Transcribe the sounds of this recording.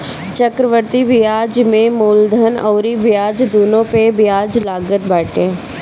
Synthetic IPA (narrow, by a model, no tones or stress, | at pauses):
t͡ʃəkɾəʋəɾt̪ibɪjaːd͡ʒmẽmoːld̪ʱənɐːɾibɪjaːd͡ʒd̪oːnõpebjaːd͡ʒlaːɡət̪̚baːʈẽ